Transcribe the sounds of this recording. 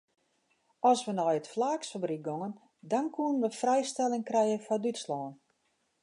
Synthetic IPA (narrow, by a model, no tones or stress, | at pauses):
ɔsʋənɔjətflaːksfabrik̚ɡoŋən | dɔnkʰuənʋəfrɛjstɛlˠɪŋkrɛjənfɔdytslɔːn